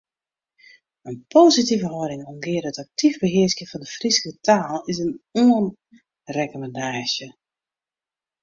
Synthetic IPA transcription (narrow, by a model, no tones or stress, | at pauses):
ənpʰoːzitivəɦɔɾɪŋɔmɡɪərdətak̚tivbəɦɪəsjəfɔndəfrisəkətʰaːlˠɪsənoːən | rɛkəməndaːʃjə